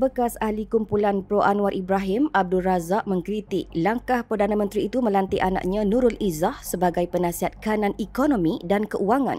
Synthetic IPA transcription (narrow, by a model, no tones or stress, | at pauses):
bəkasahlikumpulanpɾoʔanũaɾʔibɾaɦimab̚dulrazaʔ̚mə̃ŋkɾit̪ik̚laŋkahpərdanãmə̃nt̪ɾiːt̪umə̃lant̪iʔana̰ʔ̚ɲãnũɾʊlʔizahsəbaɡajpənãsiɦat̪̚kanãnikonõmĩdankəʔuaŋã̰n